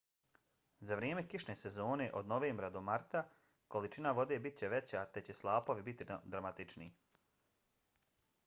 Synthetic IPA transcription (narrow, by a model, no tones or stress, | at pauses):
zaʋɾjeːmekiʃneːsezo̞ːne̞ʔo̞d̪no̞ʋeːmbɾad̪o̞maɾt̪a | ko̞lit͡ʃinaʋo̞d̪e̞ːbit̪̚t͡ɕe̞ʋe̞t͡ɕat̪e̞t͡ɕe̞slˠaːpo̞ʋibit̪id̪ɾamat̪it͡ʃnḭ